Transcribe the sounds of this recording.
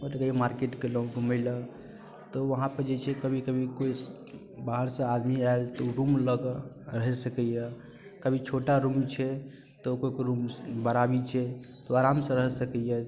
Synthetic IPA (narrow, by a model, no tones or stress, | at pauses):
mət̪ekəbʱimaɾkeʈkeloɦuɡʱuməɪlə | t̪ɔʋəɦãpəɾd͡ʒet͡ʃʰɛkəbʱikəbʱikoi | baɦəɾsə̃ad̪miaelt̪ɔuɾumləɡ | ɾəɦɛsəkɛjə | kəbʱit͡ʃʰoʈaɾumt͡ʃʰɛ | t̪ɔkoikɾumbəɾabit͡ʃʰɛt̪oaɾamsə̃ɾəɦɛsəkɛjə